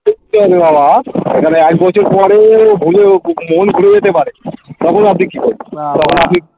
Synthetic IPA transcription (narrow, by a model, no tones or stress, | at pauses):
eit̪eɦɔbebabaekʰaneɛkbɔt͡ɕʰoɾpɔɾebʱulemonɡʱuɽed͡ʑet̪epaɾet̪ɔkʰonapnikikɔɾet̪ɔkʰonapni